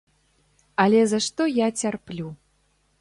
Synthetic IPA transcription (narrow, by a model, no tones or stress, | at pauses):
ɐlʲɛzɐʂt̪ɔjat͡sʲarplʲu